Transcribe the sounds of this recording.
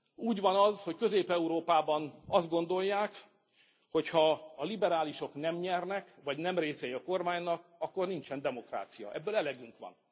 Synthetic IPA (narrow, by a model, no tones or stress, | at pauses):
uːɟʋɒnɒzho̞ckø̞zeːpɛuɾoːpaːbɒnɒzd̪̚ɡo̞nd̪o̞jːaːk | ho̞chɒːlibɛɾaːliʃo̞knɛmɲɛrnɛkʋɒɟnɛmreːsɛjiɒko̞rmaːɲnɒkɒkːo̞rnint͡ʃɛnd̪ɛmo̞kra̰ːt̪sijɒ̰ʔɛbːøːlɛlɛɡyŋkʋɒ̰n